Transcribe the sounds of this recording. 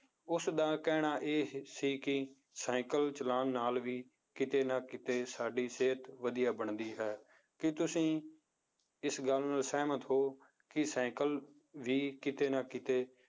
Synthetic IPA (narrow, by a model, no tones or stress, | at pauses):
ʊsd̪aːkɛːɽ̃aːʔeːsiːkɪ | sɛ̃ːkəlt͡ʃəlaːnːaːlʋiː | kɪt̪eːnãːkɪt̪eːsaːɖiːseːt̪ʋəd̪ɪjaːbəɳd̪iːɦɛː | kɪt̪ʊsĩː | ɪsɡəlnaːlsɛːmət̪ɦoː | kɪsɛ̃ːkəl | ʋiːkɪt̪eːnãːkɪt̪eː